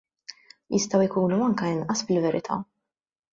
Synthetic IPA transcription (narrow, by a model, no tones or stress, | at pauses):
jʔɪst̪ɐwɪkuːnuɐŋkɐɪnʔɐsbɪlvɛɾɪt̪ʰɐ̰